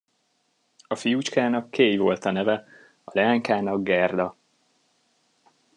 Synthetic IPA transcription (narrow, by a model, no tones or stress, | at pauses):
ɒfijut͡ʃkaːnɒkʰːeːjvo̞lt̪ɒnɛvɛ | ɒlɛaːŋkaːnɒɡɡɛrd̪ɒ